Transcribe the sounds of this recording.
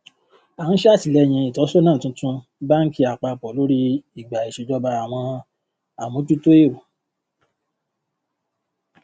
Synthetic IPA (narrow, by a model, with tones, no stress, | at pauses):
a˨n̩˦ʃa˦˨ti˨lɛ˨˦j̃ĩ˧i˨tɔ˨˦sɔ˦nãː˦˨tũ˧˦tũ˦ | ba˦ŋ̩˦ki˦a˨k͡pa˧˨pɔ˨lo˦ɾi˦i˨ɡ͡ba˨i˨ʃe˨˧˨d͡ʒɔ˧ba˧a˨w̃ɔ̃˧ | a˨mõ˨˦tu˦to˦e˦˨ɾo˨